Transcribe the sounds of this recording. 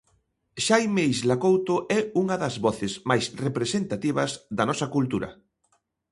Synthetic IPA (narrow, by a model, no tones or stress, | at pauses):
ʃajmejzlakowt̪oʔɛuŋɐðɐzβɔθɪzmajsrepɾesent̪at̪iβɐzðɐnɔsɐkult̪uɾɐ̰